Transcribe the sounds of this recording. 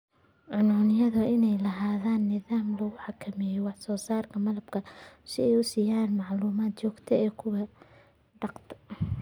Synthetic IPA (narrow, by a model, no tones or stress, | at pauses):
ʕʊnʊnɪjɐðʊɪnɛjlɐɦaːðaːnːɪðaːmlɐɣʊħɑkʰɐmɛjɛwɑħsɔːsaːrkʰɐmɐlɐb̥kʰɐsɪɛjʊsiːjaːnmɑʕluːmaːd̪̚t͡ʃɔːɡt̪ʰɛɛːkʰʊwɐ | ɖɑqt̪ʰɐ̥